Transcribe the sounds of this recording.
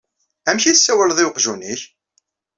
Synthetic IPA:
æmçisːæwəlðˤɪwqʒuniç

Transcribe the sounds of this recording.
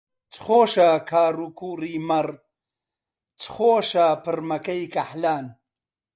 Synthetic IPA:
t͡sxoːʃakʰaːɾukuːɾiːmɐɾ | t͡sxoːʃapɨɾmɐkɐjkɐħlaːn

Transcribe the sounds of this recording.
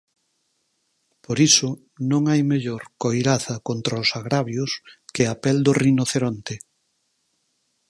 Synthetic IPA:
poɾisʊ | nõŋajmeʎoɾkojɾaθɐkont̪ɾaʊsaɣɾaβjʊskɪapɛld̪ʊrinoθeɾont̪e

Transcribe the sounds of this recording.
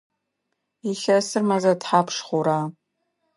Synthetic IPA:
iɬɐsɨrmɐzɐtħaːpʰʂχʷʊɾaː

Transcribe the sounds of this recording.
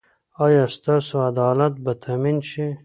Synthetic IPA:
ɑjɑst̪ɑsoad̪ɑːlat̪̚bat̪ʰaminʃi

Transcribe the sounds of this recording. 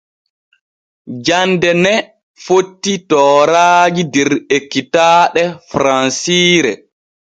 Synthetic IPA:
d͡ʒandɛnɛ | fotːitɔːɾaːd͡ʒidɛɾekːitaːɗɛfɾansiːɾɛ

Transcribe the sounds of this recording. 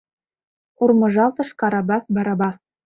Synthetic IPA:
urmɤ̆ʒɑlt̪ɤ̆ʃkɑɾɑbɑsbɑɾɑbɑs

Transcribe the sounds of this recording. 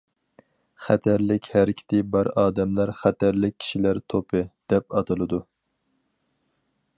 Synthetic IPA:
χæt̪ʰæɾlɪkʲhæɾɪkʲʰɪ̥t̪ʰɪbɑɾɑːd̪ɛmlæɾχæt̪ʰæɾlɪk̚ʲʰi̥ʃilæɾt̪ʰopʰɨd̪̥ɛp̚ɑt̪ʰɨlˠɨd̪u

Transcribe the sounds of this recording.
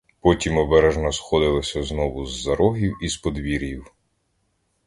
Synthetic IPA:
pɔtʲimɔbɛɾɛʒnɔsxɔd̪ɪlˠɔsʲɐznɔʋʊzːɐɾɔɦʲiwispɔd̪ʋʲiɾʲjiw

